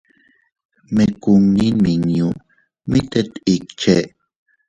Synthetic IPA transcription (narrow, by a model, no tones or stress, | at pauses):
mekuŋniniŋju | mit̪et̪ikt͡ʃe